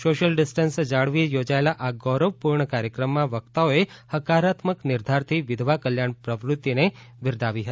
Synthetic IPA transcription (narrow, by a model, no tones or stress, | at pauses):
soʃəlɖɪsʈənsd͡ʒaɭʋijod͡ʒaelaʔaɡɔɾəʋpuɾɳəkaɾjəkɾəmːãʋəkt̪aoehəkaɾat̪məknɪɾd̪ʱaɾt̪ʰiʋɪd̪ʱʋakəljaɳpɾəʋɾʊt̪ːine | ʋɪɾd̪ʱaʋiɦəi